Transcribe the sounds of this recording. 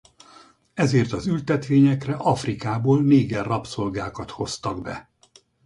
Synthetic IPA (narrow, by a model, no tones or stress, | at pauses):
ɛzeːrt̪ɒzylt̪ɛt̪ʋeːɲɛkrɛʔɒfrikaːboːlneːɡɛrːɒpso̞lɡaːkɒt̪ho̞st̪ɒɡbɛ̰